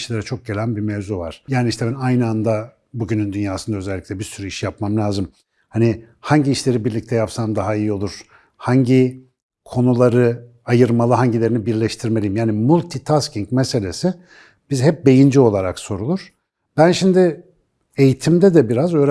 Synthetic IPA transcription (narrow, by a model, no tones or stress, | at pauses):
ʃlʲeɾɛt͡ʃʰo̞k̚ɟe̞lʲænbiɾmevzuva̰ɾ̥jaːniʃt̪ʰɛbænajnɯand̪a | buɟynynd̪ynjaːsɯnd̪aøzɛlʲːiclʲɛbiɾsyɾyiʃjapmamlʲaːzɯm | hani | haɲɟiːʃlʲe̞ɾibiɾlʲic̚t̪ʰɛjapsamd̪aɦaijio̞lˠuɾ̥ | haɲɟi | kʰo̞nulˠaɾɯ | ajɯɾmalˠɯɦaɲɟilʲe̞ɾinibiɾlʲɛʃt̪ʰiɾme̞lʲijimjaːnimulʲt̪ʰit̪ʰasciŋkmɛse̞lʲe̞si | b̥izɦɛp̚be̞jind͡ʒio̞lˠaɾakso̞ɾulˠuɾ̥ | b̥ænʃimd̪ɪ | ejit̪ʰimd̪ɛd̪ɛbiɾazø̞ːɾ